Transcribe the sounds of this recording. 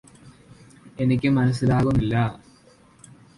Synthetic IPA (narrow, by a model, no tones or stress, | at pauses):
e̞nik̬ʲːɨmɐnɐs̬ːilaːɣunːilːɐ